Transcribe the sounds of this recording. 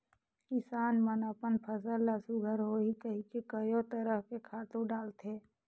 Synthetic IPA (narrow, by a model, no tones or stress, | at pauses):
kɪsaːnmənapənpʰəsəlːəsuɡʱəɾɦoikəɦikekəjot̪əɾəɦkekʰaːt̪ũɖaːlt̪eː